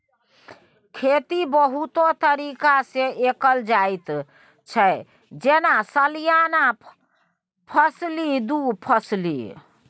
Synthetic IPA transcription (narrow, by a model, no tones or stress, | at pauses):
kʰet̪ibəɦut̪ot̪əɾikaseʔekəld͡ʒajt̪ | t͡ʃʰə | d͡ʒenasəlijana | pʰəslid̪upʰəslḭ